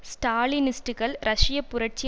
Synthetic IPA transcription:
sʈaːlinɪsʈɯɣɐɭɾʔɐʂɪjɐpːʊɾɐʈ̚t͡ʃɪ

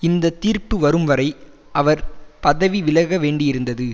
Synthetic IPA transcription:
ɪnd̪ɐt̪iːɾpɯʋɐɾɯmʋɐɾɐɪ | ʔɐʋɐɾpɐðɐʋiʋɪlɐɣɐʋeːɳɖɪjɪɾɯnd̪ɐðɯ

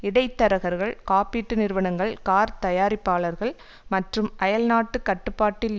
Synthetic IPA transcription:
ɪɽɐɪt̪ːɐɾɐɣɐɾɣɐɭkaːpiːʈːɯnɪɾɯʋɐɳɐŋɡɐɭkaːɾt̪ɐjaːɾɪpːaːlɐɾɣɐɭ | mɐʈrɯmʔɐjɐlnaːʈːɯkɐʈːɯpːaːʈːɪl

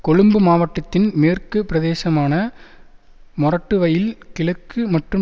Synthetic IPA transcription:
kɔɻɯmbɯmaːʋɐʈːɐt̪ːɪnmeːrkɯpɪɾɐðeːsɐmaːnɐ | mʊrɐʈːɯʋɐjɪlkɪɭɐkːɯmɐʈrɯ

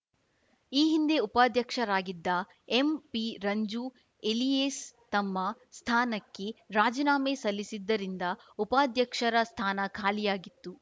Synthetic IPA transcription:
iːɦind̪e̞upaːd̪ʱjɐkʂɐɾaːɡid̪ːɐ | empiɾɐɲd͡ʒu | eliest̪ɐmːɐst̪ʰaːnɐkːe̞ɾaːd͡ʒinaːmesɐlːisid̪ːɐɾind̪ɐupaːd̪ʱjɐkʂɐɾɐst̪ʰaːnɐkʰaːlijaːɡit̪ːu

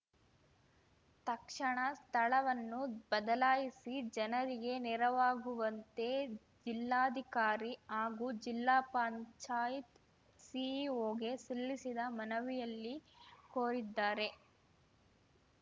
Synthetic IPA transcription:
t̪ɐkʂɐɳɐst̪ʰɐɭɐʋɐnːubɐd̪ɐlaːjisid͡ʒɐnɐɾiɡe̞nɛɾɐʋaːɡuʋɐnt̪e̞ | d͡ʒilːaːd̪ʱikaːɾiɦaːɡuːd͡ʒilːaːpaːɲt͡ʃaːjit̪ | sioːɡe̞silːisid̪ɐmɐnɐʋijɐlːikoːɾid̪ːaːɾe̞

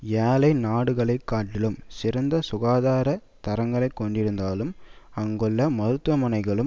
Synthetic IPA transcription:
jaːlɐɪnaːɽɯɣɐɭɐɪkːaːʈːɪlɯmsɪɾɐnd̪ɐsʊɣaːðaːɾɐ | t̪ɐɾɐŋɡɐɭɐɪkːɔɳɖɪɾɯnd̪aːlɯmɐŋɡɯɭːɐmɐðɯt̪ːʋɐmɐnɐɪɣɐɭɯm

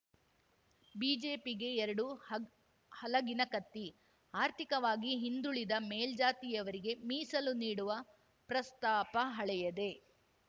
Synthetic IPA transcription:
biːd͡ʒe̞ːpiɡe̞ɛɾɐɽu | hɐlɐɡinɐkɐt̪ːi | aːɾt̪ʰikɐʋaːɡiɦind̪uɭid̪ɐmeːld͡ʒaːt̪ijɐʋɐɾiɡe̞miːsɐluniːɽuʋɐ | pɾɐst̪aːpɐɦɐɭɛjɐd̪e̞

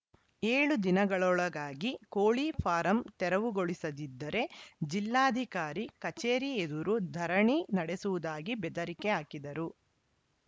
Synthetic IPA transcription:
eːɭud̪inɐɡɐɭɔɭɐɡaːɡikoːɭipʰaːɾɐmt̪ɛɾɐʋuɡoɭisɐd̪id̪ːɐɾe̞d͡ʒilːaːɐd̪ʱikaːɾikɐt͡ʃeːɾied̪uɾud̪ʱɐɾɐɳinɐɽesuʋud̪aːɡibɛd̪ɐɾikɛaːkid̪ɐɾu

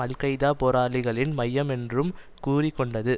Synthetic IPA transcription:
ɐlkɐɪðaːpoːɾaːlɪɣɐɭɪnmɐjːɐmɛndrɯm | kuːrɪkːɔɳɖɐðɯ

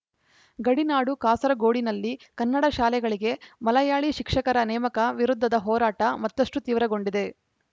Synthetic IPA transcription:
ɡɐɽinaːɽukaːsɐɾɐɡo̞ːɽinɐlːikɐnːɐɽɐʃaːlɛɡɐɭiɡe̞mɐlɐjaːɭiʃikʂɐkɐɾɐnɛːmɐkɐʋiɾud̪ʱːɐd̪ɐɦɔːɾaːʈɐmɐt̪ːɐʂʈut̪iːʋɾɐɡo̞ɳɖid̪e̞

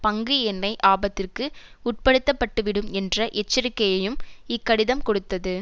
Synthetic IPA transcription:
pɐŋɡɯɛnːɐɪʔaːbɐt̪ːɪrkɯʊʈ̚pɐɽɯt̪ːɐpːɐʈːɯʋɪɽɯmɛndrɐʔɛt͡ʃːɪɾɪkːɐjɐjɯmɪkːɐɽɪðɐmkɔɽɯt̪ːɐðɯ

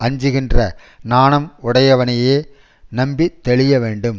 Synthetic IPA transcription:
ɐɲd͡ʒɯɣɪndrɐ | naːnɐmʊɽɐjɐʋɐnɐjeː | nɐmbit̪ːɛɭɪjɐʋeːɳɖɯm

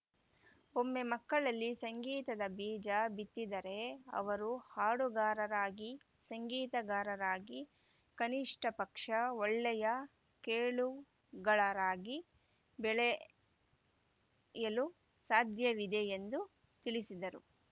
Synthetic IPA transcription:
omːe̞mɐkːɐɭɐlːisɐŋɡiːt̪ɐd̪ɐbiːd͡ʒɐbit̪ːid̪ɐɾe̞ɐ̰ʋɐɾuhaːɽuɡaːɾɐɾaːɡi | sɐŋɡiːt̪ɐɡaːɾɐɾaːɡi | kɐniʂʈɐpɐkʂɐɔɭːɛjɐ | keːɭu | ɡɐɭɐɾaːɡi | bɛɭɛ | jɐlu | saːd̪ʱjɐʋid̪ejend̪u | t̪iɭisid̪ɐɾu

